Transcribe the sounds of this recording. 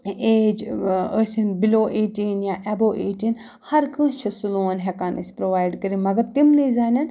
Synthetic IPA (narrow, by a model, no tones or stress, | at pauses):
eːd͡ʒəsinbiloːʔeːʈinjaːʔɛboːʔeːʈin | hɐɾkə̃ːʃʰɐsuloːnɦɛkaːnispɾoʋaːjɖkəɾimɐɡɐɾt̪imnizaːnʲɐn